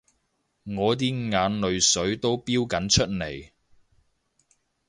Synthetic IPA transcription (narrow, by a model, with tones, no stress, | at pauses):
ŋɔː˨˧t̪̬iː˥ŋaː˨˧˥nlɵ˨˧ɥsɵ˨˥ɥt̪o˥wpiː˥wkɐ˨˥nt͡ʃʰɵ˥t̚ne˨˩j